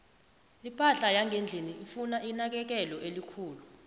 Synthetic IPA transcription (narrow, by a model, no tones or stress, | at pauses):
ipʰʼaɬajaŋʱend͡ɮʱiniʔifunaʔinak̬ɛk̬ɛlɔʔelikʰuːlu